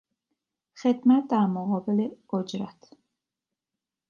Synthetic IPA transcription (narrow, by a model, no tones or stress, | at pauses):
xed̪mæt̪̚d̪æɾmoɣɒːbeleod͡ʒɾæt̪ʰ